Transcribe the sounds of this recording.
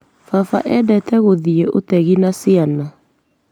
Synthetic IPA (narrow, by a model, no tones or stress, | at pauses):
fafaʔɛdɛtʰɛɣoðieʔo̰tɛɣinasiana